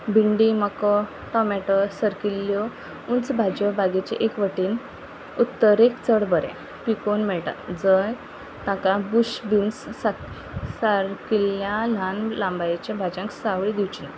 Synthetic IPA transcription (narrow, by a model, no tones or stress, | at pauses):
bʱiɳɖiməkɔ | ʈɔmɛʈəsəɾkilːjɔ | unt͡sbʱad͡ʑɔbaɡet͡ɕḛʔekʋəʈiːn | ut̪ːəɾekt͡səɽbəɾɛ̰̃ | pikonmɛɭʈa̰d͡zəj | t̪ãkabuɕbinssa | saɾkilːjãlanlãmbajat͡ɕãbʱad͡ʑãŋksaʋɭid̪iwt͡ɕina̰